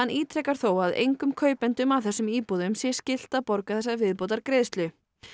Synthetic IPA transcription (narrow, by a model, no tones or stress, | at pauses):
anːʔiːt̪ʰɾɛːkaɾ̥θowaðḛjŋkʏmkʰœːɥpɛnt̪ʏmavθɛsːʏmiːpuðʏmsjɛscɪl̥t̪aðpɔɾkaθɛsːavɪðpowt̪aɾkɾeːðst̪lʏ